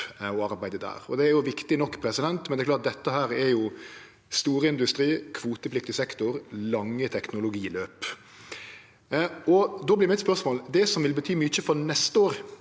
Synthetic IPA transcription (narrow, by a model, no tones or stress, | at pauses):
ɔɑɾbæɪd̪əd̪æ̰ːɾɔ̰d̪ɛæɾjʊʋɪkt̪ɪnɔkːpʰɾɛsɪd̪ɛnt̪mɛnd̪ɛɾklɑːt̪̚d̪ɛt̪ːəɦæːɾɛɾjʊ | st̪uːɾəɪnd̪ʉst̪ɾiːkʰʋuːt̪əpʰlɪk̚t̪ɪsɛkt̪ʊɾlɑŋːət̪ʰɛknʊlʊɡiːløːp | ɔd̪oːblɪːɾmɪɛt̪spœʁsmoːld̪ɛsɔmʋɪlbət̪ʰyːmyːt͡ʃːəfɔɾnɛst̪əoːɾ